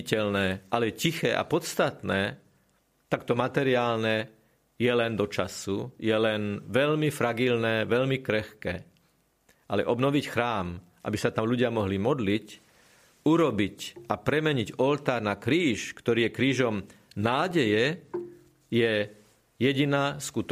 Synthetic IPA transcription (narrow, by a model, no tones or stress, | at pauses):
cɛlnɛːʔalɛcixɛːʔa̰pɔt̪st̪at̪nɛː | t̪akt̪ɔmat̪ɛɾiaːlnɛ | jɛlɛnd̪ɔt͡ʃasujɛlɛnʋɛʎmifɾaɡilnɛːʋɛʎmikɾɛxkɛ̰ː | ʔalɛʔɔbnɔʋicxɾaːm | ʔa̰bisat̪amluɟɪamɔɦlimɔd̪lic | uɾɔbicapɾɛmɛɲiɟɔlt̪aːɾnakɾiːʃkt̪ɔɾiːjɛkɾiːʒɔm | naːɟɛjɛ | jɛ | jɛɟinaːskut̪